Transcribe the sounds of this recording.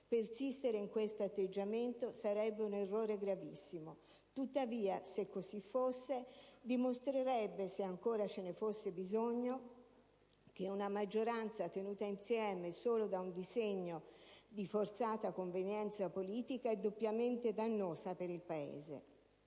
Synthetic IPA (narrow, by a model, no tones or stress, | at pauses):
persist̪eɾeiŋkwest̪oat̪ːed͡ʒːament̪osaɾɛbːeunerːoːɾeɡɾavisːimo | t̪ut̪ːaviːasekːozifːosːed̪imost̪ɾeɾɛbːeseaŋkoːɾat͡ʃenefosːebizoɲːo | k̟eunamad͡ʒːoɾant̪sat̪enuːt̪ainsjɛːmesoːlod̪aund̪izeɲːod̪ifort̪saːt̪akoɱvenjɛnt̪sapoliːt̪ikaɛd̪ːopːjament̪ed̪anːoːzapeɾilpaḛːzḛ